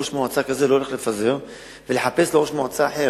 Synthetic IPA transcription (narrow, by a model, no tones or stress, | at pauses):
oʃmoat͡sakazelooleχlefaze̞ʁ | ve̞leħape̞sleʁo̞ʃmoat͡saːħe̞